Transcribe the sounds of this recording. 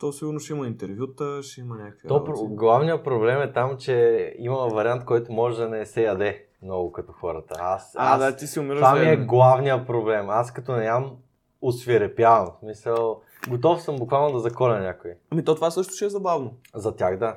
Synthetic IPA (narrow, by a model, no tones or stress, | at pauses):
t̪ɔsiɡʊɾnoʃɛimɐint̪ɛɾvʲjut̪əʃɛimɐnʲakəkvit̪ɔpɾoɡlˠavnijəpɾoblɛmɛt̪amt͡ʃɛimɐmɛvɐɾiant̪̚kɔjt̪ʊmɔʒɛd̪ɐnɛsɛjɐd̪ɛ | mnɔɡʊkɐt̪ɔxɔɾət̪əasaaat̪isiʊmiɾəamiɛɡlˠavnijəpɾoblɛmaskɐt̪ɔnɛnam | osvʲiɾɛpjavɐmsmisəlˠ | ɡot̪ɔfsɤmbʊkvalˠnod̪ɐzɐkɔlʲɐnʲakoiɐmit̪ɔt̪ovasɤʃt̪ʊ̥ʃɛɛzɐbavnozɐt̪ʲaxd̪a